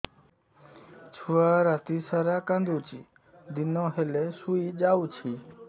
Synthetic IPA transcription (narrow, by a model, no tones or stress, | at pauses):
t͡ʃʰuaɾat̪isaɾakãnd̪ut͡ʃḭ | d̪inɔɦelesuid͡ʒawt͡ʃʰi